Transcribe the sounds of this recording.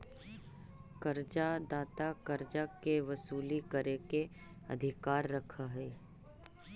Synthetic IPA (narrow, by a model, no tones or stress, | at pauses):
kəɾd͡ʒad̪aːt̪akəɾd͡ʒakeʋəsuːlikəɾeke | ɐ̰d̪ʱɪkaːɾːəkʰaɦeː